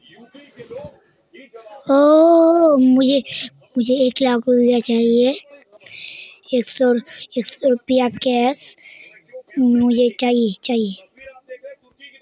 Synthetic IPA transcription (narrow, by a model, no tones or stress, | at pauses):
oː | mʊd͡ʒʱe | mʊd͡ʒʱeeːklaːkɾʊpɪjat͡ʃaːɦie | eːksɔeːksɔɾʊpjakɛːs | mʊd͡ʒʱet͡ʃaːɦijet͡ʃaːɦije